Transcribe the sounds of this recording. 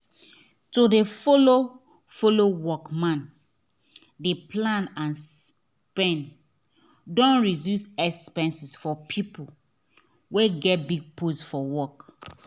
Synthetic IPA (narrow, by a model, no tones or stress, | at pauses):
todefolo | folowɔkmãn | depʰlãnãns | pɛ̃n | dɔ̃nɹidjusɛkspɛ̃nsisfɔpʰipul | weɡɛt̚biɡ̚pʰosfɔwɔk